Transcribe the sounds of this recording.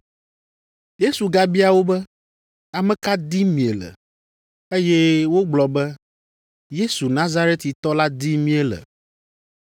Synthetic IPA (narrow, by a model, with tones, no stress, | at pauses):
je˦su˨ɡa˦bi˦a˨wo˦bɛ˦ | a˨mɛ̃˦ka˦d̪i˦mĩ˨e˨lɛ̰˨ | e˦jɛ˦wo˦ɡ͡blɔ˨bɛ˦ | je˦su˨nã˦za˦ɾe˦t̪i˨t̪ɔ˦la˦d̪i˦mĩ˦ɛ˦lɛ̰˨